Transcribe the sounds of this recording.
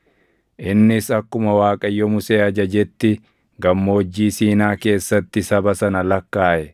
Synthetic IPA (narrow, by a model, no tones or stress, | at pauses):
ʔɪnːɪsɐkːʊmɐwaːkʼɐjːɔmʊseːɐd͡ʒɐd͡ʒɛt̪ːɪ | ɡɐmːo̞ːd͡ʒːiːsiːnaːke̞ːsːɐt̪ːɪsɐbɐsɐnɐlɐkːaːʔɛ